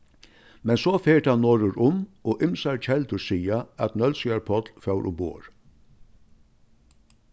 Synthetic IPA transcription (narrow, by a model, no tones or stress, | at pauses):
mɛnsɔːfeːʈhanːɔːɾʊɾʔʊmɔːʔɪmsaɹt͡ʃʰɛlt̪ʊsiːaæt̪nœlsɪaɹpʰɔt̪lfœwɾʔʊ̰bo̰ːɹ